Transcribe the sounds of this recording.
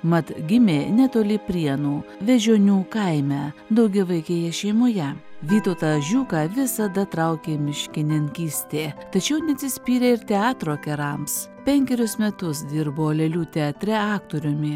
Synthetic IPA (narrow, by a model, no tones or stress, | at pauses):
mɐt̪ɡʲɪmʲeːnʲɛt̪oːlʲɪpʲɾʲiɛnuːʋʲɛʒʲoːnʲuːkɐɪmʲæːd̪ɐʊɡʲɛʋɐɪkʲeːjɛʃʲɛɪmoːjɛʋʲiːt̪oʊt̪ɑʒʲuːkɑːʋʲɪsɐd̪ɐt̪ɾɐʊkʲeːmʲɪʃʲkʲɪnʲɪŋʲkʲiːsʲt̪ʲeːt̪ɐt͡ʃʲɛʊnʲɛt̪ʲsʲɪsʲpʲiːɾʲeːɪɾt̪ʲɛɑːt̪ɾoːkʲɛɾɐms | pʲɛŋʲkʲɛɾʲʊsmʲɛt̪ʊsd̪ʲɪɾboːlʲɛlʲuːt̪ʲɛɐt̪ʲɾʲɛɑːkt̪oːɾʲʊmʲɪ